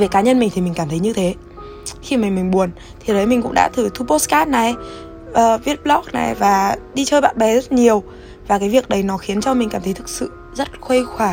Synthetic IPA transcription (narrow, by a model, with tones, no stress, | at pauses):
ve˨˩kaː˨˦ɲə˧nmï˨˩ŋt̪ʰi˨˩mï˨˩ŋ̟kaː˧˩mt̪ʰə˨˦ɲɨ˧t̪ʰe˨˦ | xi˧ma˨˩ŋmï˨˩ŋ̟ɓu˨˩ən | t̪ʰi˨˩ɗə˨˦jmï˨˩ŋ̟kʊ̰˧˥ŋ͡mɗa̰ː˧˥t̪ʰɨ˧˩t̪ʰu˧po˦˥skaː˦˥na˨˩j | ʔəː˨˩vi˦˥ət̚ɓlɔ˦˥k̚na̰˨˩jvaː˨˩ɗi˧t͡ɕəː˧jɓa̰ː˧˨nɓɛ˨˩zə˦˥t̚ɲi˨˩əw | vaː˨˩kaː˨˦vi˨˩ək̚ɗə˨˦jnɔ˨˦xi˨˦ənt͡ɕɔ˧mi˨˩ŋ̟aː˧˩mt̪ʰjt̪ʰɨ˨˩k̚sɨ̰˧˨ | zə˦˥t̚xwə˧jxwaː˧˩